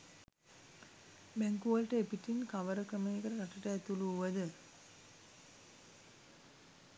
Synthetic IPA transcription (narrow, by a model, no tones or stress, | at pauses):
bæŋkuʋəlʈəepiʈinkaʋəɾəkəməjekəɾəkaʈəʈəɛt̪uluʋəd̪ə